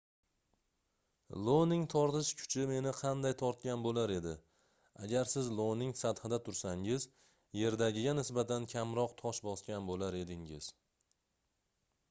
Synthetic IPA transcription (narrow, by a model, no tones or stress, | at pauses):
lˠonɪŋt̪ʰɒɾt̪ɪʃkʰʊ̥t͡ʃʰɪme̞nɪqʰɑnd̪ajt̪ʰɒɾt̪̚kʲanbolaɾe̞d̪ɪ | a̰ɡʲaɾsɪzlˠonɪŋsad̪hɨd̪at̪ʰʊɾsaŋɪz | je̞ɾd̪aɡʲɪɡʲanɪsbat̪ʰankʲʰamɾɒqt̪ʰɒʃbɒskʲanbolaɾe̞d̪ɪŋɪz̥